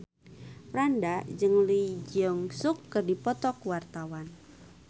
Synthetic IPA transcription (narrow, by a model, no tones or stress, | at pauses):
pɾandad͡ʒɨŋlid͡ʒɔŋsʊkːərdipɔt̪ɔkwart̪awan